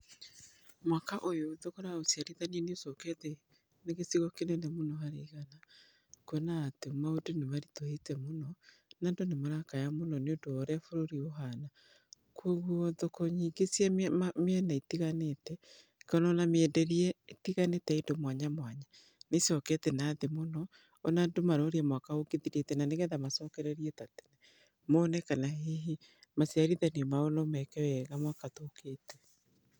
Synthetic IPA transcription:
mwakaʔojoðokoɾaosiaɾiðanɛneosɔkɛtɛ | neɣesiɣɔkenenemonɔhaɾeiɣana | kwɛnaːtemaodinemaɾitohetɛmonɔ | nandonemoɾakajamonɔneondoːɾɛfoɾoɾioɦana | kwoɣuɔðokɔɲiːɡesjɛmɛnaitiɣanetɛ | kanɔnameɛdɛɾiɛtiɣanetɛindomwaɲamwaɲa | nesɔkɛtɛnaːðemonɔː | nadomaɾoːɾeɛmwakaoɡiðiɾetɛnaneɣɛðamasɔkɛɾɛɾiɛtatɛ̥nɛ | monɛkanaheɦi | masjaɾiðɛniɔmaonɔmɛkɛwɛɣamwakatoketɛ

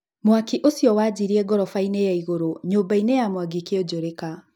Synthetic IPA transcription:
mwakiʔosjɔwad͡ʑiɾiɛɡɔɾɔfainejaiɣoɾoɲoːmbainejamwaɡikeod͡ʑoɾeka

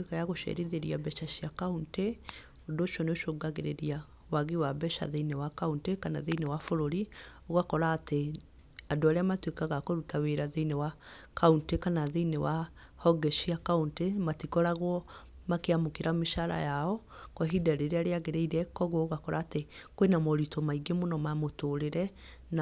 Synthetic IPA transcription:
wekajaɣoʃɛ̰ɾeðeɾiabɛʃaʃiakaunte | odoʃɔneoʃoːɡaɣeɾeɾia | waɣewabɛʃa̰ðeinewakauntekana̰ðeinewafoɾoɾioɣakɔɾaːte | adoaɾeamatwekaɣakoɾutaweɾaðeinewakauntekanaðeinewa | hɔɡɛʃiakauntematikɔɾaɣwɔ | makeamokeɾameʃaɾa̰jaɔ | kɔɦidaɾeɾeaɾeaɣeɾeiɾɛkɔɣwɔoɣakɔɾaːtekwenamɔɾitomaiɡemonɔmamotoɾeɾɛ | n

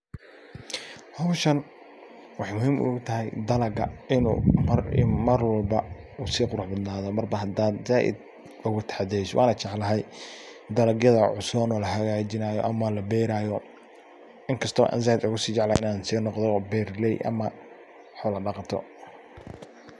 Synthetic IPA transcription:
hɔwʃɐn | wɑħɑjmʊhiːmʔʊ̰ɣʊt̪ʰɐɦɛjd̪ɐlɐɡɐ̰ɪnṵːmɐrmɐrwɐlbɐuːsiːqʊɾʊħbɐd̪naːðɔmɐrbɐɦɐd̪aːd̪zaːʔɪ̰d̪̚ | ʊɣʊt̪ʰɐ̥ħɑd̪ɛjswʔɑ̰ːnɐt͡ʃɑʕlɐɦɛjd̪ɐlɐɡjɐðɐʕʊsɔːnɔːlɐɦɐɣaːt͡ʃɪnaːjɔ̰ʔɐmɐlɐbɛːɾaːjɔ | ɪŋkʰɐst̪ʰɔ̰ʔa̰ːnzaːʔɪd̪ʊɣʊsiːt͡ʃɑʕlaʔɪnaːnsiːnɔqd̪ɔbɛːrlɛjʔɐ̰mɐ | ħɔlɐɖɑqɑt̪ʰɔ̰

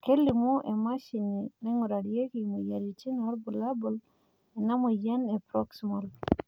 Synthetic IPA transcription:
kelːimuʔɛmaʃininɛŋɔɾaɽijekimujaɾit͡ʃinaɾbulabul | ɛnamojanɛpɾɔksimɔl

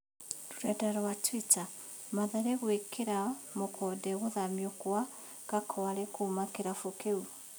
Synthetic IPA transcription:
ɾuɾadaɾɔwatwita | maðaɾeɣwekeɾamokʰɔdɛɣoðamiokoa | kakʰɔaɾekumakeɾafokeu

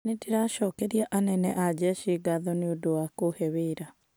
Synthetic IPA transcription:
nedeɾaʃɔːkɛɾiaʔanɛnɛʔad͡ʑɛʃiɡaðɔneodowakohɛweːɾa

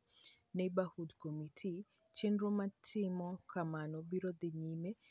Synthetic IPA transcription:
nebahudkomitʰi | t͡ʃenɾomatʰɪmɔkʰamanɔbiɾɔd̪ɪɲime

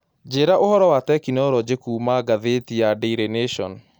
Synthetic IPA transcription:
d͡ʒeːɾaʔohɔɾɔwatɛkinɔɾɔd͡ʑekuːmaɡaðetiadeiɾeneʃɔ̰n

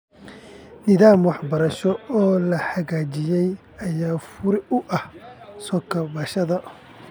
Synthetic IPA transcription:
nɪðaːmwɑħbɐɾɐʃɔɔːlɐħɑɣaːt͡ʃɪjɛj | ɐjaːfʊɾɪʊʔɐhsɔːkʰɐbɐʃɐðɐ

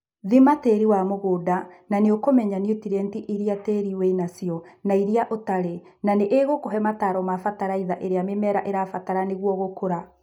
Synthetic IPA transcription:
ðimateɾiwamoɣoːdananeokomɛɲaniotiɾɛntiʔiɾiateɾiwɛinasijɔnaiɾiaʔotaɾe | naneʔeɣokoɦɛmataɾɔmafataɾaiðaʔeɾeamemɛɾaʔeɾafataɾaneɣwɔɣokoɾa

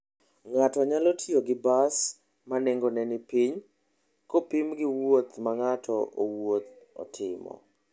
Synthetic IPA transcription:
ŋatɔɲalotʰioɡɪbas | maneŋɡonɛnɪpiɲ | kopimɡɪwot̪maŋatʰɔʔowot̪̚ | ɔ̰tʰɪmɔ̰

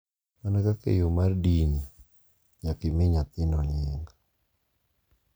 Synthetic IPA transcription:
manakakḛjomardini | ɲakɪmeɲat̪ɪnɔɲɪŋɡa

